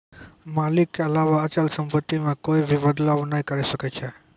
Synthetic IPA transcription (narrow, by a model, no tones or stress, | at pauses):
malikːeəlaʋaət͡ʃəlsəmpət̪ːimãkoibʱibəd̪laʋnəɦikəɾiʃəket͡ʃʰe